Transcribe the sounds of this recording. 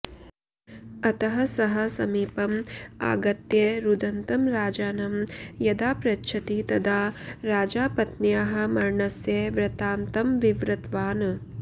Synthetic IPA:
ɐt̪ɐɦɐsɐɦɐsɐmiːpɐma̰ːɡɐt̪jeːɾud̪ɐnt̪ɐmɾaːd͡ʒaːnɐmjɐd̪aːpɾɐtːʃʰɐt̪it̪ɐd̪aːɾaːd͡ʒaːpɐt̪nijaːɦɐ̆mɐɾɳɐsjeːʋɾɐt̪aːnt̪ɐmʋiʋɾɐt̪ʋaːnɐ

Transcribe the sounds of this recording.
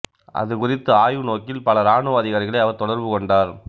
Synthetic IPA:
ʔɐ̰ðɯkʊrɪt̪ːɯaːjɯnoːkɪlpɐlɐɾaːɳɯʋaːðɪɣaːɾɣɐɭɐɪɐʋɐɾt̪ɔɽɐɾʋɯkɔɳɖaːɾ

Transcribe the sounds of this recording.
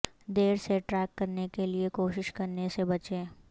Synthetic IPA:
d̪eːɾseʈɾɛːkːɐɾnekeliekoːʃɪʃkɐɾnesebɐt͡ʃẽː

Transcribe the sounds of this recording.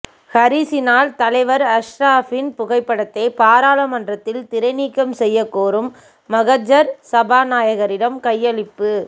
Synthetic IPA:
hɐɾiːsɪnaːlt̪ɐlɐɪʋɐɾɐʂɾaːfɪnpʊɣɐɪpːɐɽɐt̪ːɐɪpaːɾaːlɐmɐndrɐt̪ːɪlt̪ɪɾɐɪniːkːɐmsɛjːɐkːoːɾɯmː | ɐɣɐd͡ʒɐɾsɐbaːnaːjɐɣɐɾɪɽɐmkɐjːɐɭɪpːɯ

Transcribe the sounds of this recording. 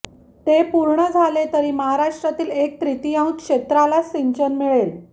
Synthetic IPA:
t̪epuɾɳəd͡zʱalet̪əɾiːməɦaɾaʂʈɾat̪iːlek̚t̪ɾit̪ijãw̃kʂet̪ɾalasiɲt͡ɕənmiɭel

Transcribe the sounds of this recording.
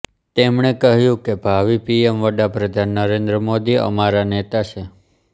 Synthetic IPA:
t̪emɳ̃ekəɦjũkebʱaʋipiemʋəɖapɾəd̪ʱanːəɾẽnd̪ɾəmod̪iə̰maɾanet̪at͡ʃʰe

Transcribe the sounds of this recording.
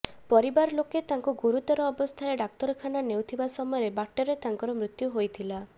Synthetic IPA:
pɔɾibaɾloket̪aŋkuɡuɾut̪ɔɾɔːbɔst̪ʰaɾeɖak̚t̪ɔɾkʰananewt̪ʰibasɔmɔɔɾebakʈɔɾet̪aŋkɔɾɔmɾit̪juɦojt̪ʰila

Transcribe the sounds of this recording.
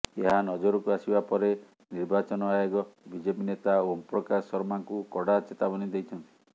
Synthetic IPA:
eɦanɔd͡ʒoɾɔkuasibapɔɾe | niɾbat͡ʃɔnɔajoɡɔbid͡ʒepinet̪aompɾɔkasɔɾmaŋkukɔɽat͡ʃet̪abɔnid̪ejt͡ʃʰɔnt̪i̥

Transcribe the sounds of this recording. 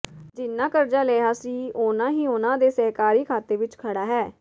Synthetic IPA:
d͡ʒɪnːãːkəɾd͡ʒaːleːɦaːsiːʊnãːɦiːʊnãːd̪eːsɛːkaːɾiːkʰaːt̪eːʋɪt͡ʃkʰəɽaːɦɛː

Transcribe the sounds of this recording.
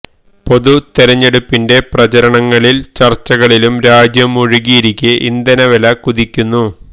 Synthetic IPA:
po̞ðut̪eɾɐɲːe̞ɽupːinde̞prɐt͡ɕɐɾɐɳɐŋːɐɭilt͡ɕɐrt͡ɕːɐɣɐɭilumɾaːd͡ʑjɐmuɻiɣiːɾikʲːeʔind̪ɐnɐʋelɐkuðikʲːunːu

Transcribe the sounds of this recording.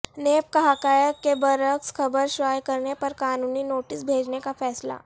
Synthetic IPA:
neːp̚kɐɦaːkaːjəkːebɐɾəksxɐbəɾʃʋaːjkɐɾnepɐɾkaːnuːninoːʈɪsbʱeːd͡ʒnekafɛːsla̰

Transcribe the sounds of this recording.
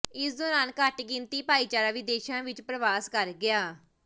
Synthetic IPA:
ɪsd̪ɔːɾaːnkəʈɡɪ̃nt̪iːpaːiːt͡ʃaːɾaːʋɪd̪eːʃãːʋɪt͡ʃpɾəʋaːskəɾɡɪaː

